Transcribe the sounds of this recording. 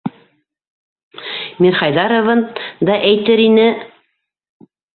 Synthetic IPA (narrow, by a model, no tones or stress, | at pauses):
miɾχɑjðɑɾŏvɤnd̪ɑʔæjt̪ɘɾinɘ